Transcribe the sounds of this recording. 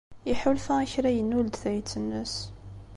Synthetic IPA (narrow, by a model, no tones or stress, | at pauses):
iħulfæiçɾæjənːuld̪θæjt͡sːənːəs